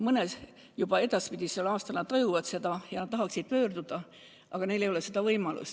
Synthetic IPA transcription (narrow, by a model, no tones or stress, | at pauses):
mɤnes | jub̥ɑe̞d̪̥ɑspid̪̥ʲiselːɑːst̪ɑlnɑd̪t̪ːɑjuvɑd̪se̞d̪̥ɑjɑnɑt̪t̪ɑɦɑksid̪̚pø̞ːrd̪̥ud̪̥ɑ | ʔɑɡ̥ɑne̞jle̞jo̞le̞sed̪̥ɑvɤjmɑlṵs